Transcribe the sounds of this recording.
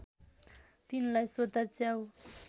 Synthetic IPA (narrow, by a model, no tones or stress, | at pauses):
t̪inlajsod̪at͡sjaw